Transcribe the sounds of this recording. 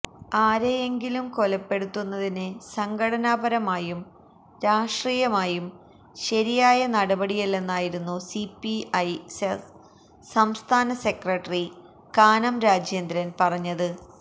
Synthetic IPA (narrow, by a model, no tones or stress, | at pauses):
aːɾeeŋɡilumko̞lɐpːe̞ɽut̪ːunːɐðinɨsɐŋɡʰʱɐɽɐnaːbɐɾɐmaːjum | ɾaːʂʈriːjɐmaːjum | ɕɐɾijaːjɐnɐɽɐbɐɽijɐlːe̞nːaːjiɾunːusipːiɐjses | sɐmst̪ʰaːnɐse̞krɐʈri | kaːnɐmɾaːd͡ʑjeːnd̪ɾɐnpɐrɐɲːɐðɨ